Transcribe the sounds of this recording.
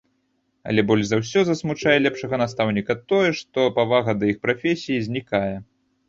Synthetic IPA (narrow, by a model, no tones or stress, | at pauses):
ɐ̰lʲɛbɔlʲʐzawsʲɔzɐsmut͡ʂajɛlʲɛpʂɐɣɐnast̪awnʲikɐt̪ɔjɛʂt̪ɔpavaɣɐd̪ɐixpɾafʲesʲijizʲnʲikajɛ